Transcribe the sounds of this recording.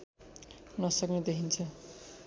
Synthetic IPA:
nɔst̪ɔkned̪ekʰint͡ɕʰe

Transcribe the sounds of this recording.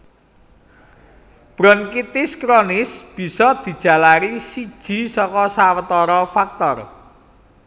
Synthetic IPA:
b̥ɾɔnkit̪ɪskɾonɪsb̥i̤sɔd̪̥i̤d̥ʒ̥ä̤laɾisid̥ʒ̥i̤sɔkɔsawət̪ɔɾɔfak̚t̪ɔr

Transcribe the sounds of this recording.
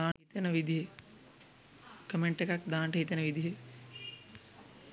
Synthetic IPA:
ãːit̪enɐʋid̪ʱiɦe | kɐmeɳʈekak̚d̪ãːɳʈɐɦit̪enɐʋid̪iɦe

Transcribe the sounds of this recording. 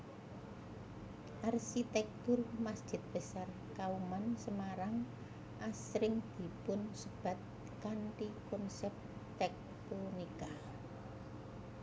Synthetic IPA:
ʔarʃit̪ɛk̚t̪ʊrmasd̥ʒ̥ɪ̤t̪̚b̥ə̤sar | kaumansəmaɾaŋ | ʔasɾɪŋd̪̥i̤pʊnsəb̥ä̤t̪̚ | kaɳʈikɔnsɛp̚t̪ɛk̚t̪onika

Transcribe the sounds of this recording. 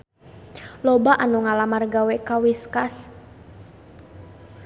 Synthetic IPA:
lɔbaʔanuŋalamarɡawɛkawiskas

